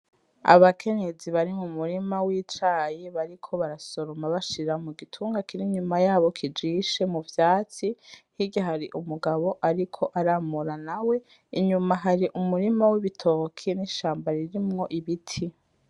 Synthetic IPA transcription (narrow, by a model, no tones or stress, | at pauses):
a̰βakʰe̞ɲe̞d͡ziβaɾimumuɾimawiːt͡ʃaːjiβaɾikʰo̞βaɾaso̞ɾomaβaʃiɾamuɡitʰuːŋɡakiɾiɲumajaːβo̞kʰid͡ʒiʃe̞muvjaːt͡sihiɟaɦaɾiʔumuɡaβo̞ʔaɾikʰo̞ʔaɾaːmuɾanawe̞ | iɲumaɦaɾiʔumuɾimawiβitʰo̞kʰiniʃaːmbaɾiɾimŋo̞ʔiβitʰi